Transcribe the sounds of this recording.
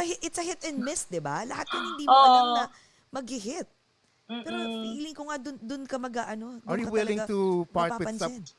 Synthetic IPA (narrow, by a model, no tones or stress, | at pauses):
ɐhɪʔɪt̪sɐhɪt̪ɛnd̪mɪs̚d̪ɪbalɐhat̪̚kɐnhɪ̃nd̪imoalanɐ | mɐɡɪɦɪt̪̚ː | ɛːɾoiːlɪŋkoŋad̪ʊnd̪ʊnkɐmɐɡaʔɐno̞d̪aɹjuɐwɪlɪ̃ŋt̪upaɹtp̪awɪpɐnsɐɛn